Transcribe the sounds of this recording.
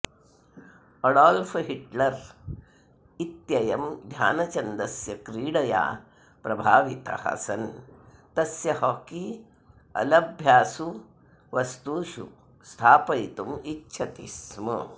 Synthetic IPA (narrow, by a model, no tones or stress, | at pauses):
ɐɽaːlfɦiʈlɐɾ | it̪jɐjɐmd̪ʱja̰ːnɐt͡ʃɐnd̪ɐsjɐkɾiːɽɐja̰ː | pɾɐbʱaːʋit̪ɐ̰hɐ̰sɐnt̪ɐsjɐɦɔːki | ɐ̰lɐbʱjaːsu | ʋɐst̪uːʃṵ | st̪ʰaːpɐjt̪umitːʃʰɐt̪ḭsmɐ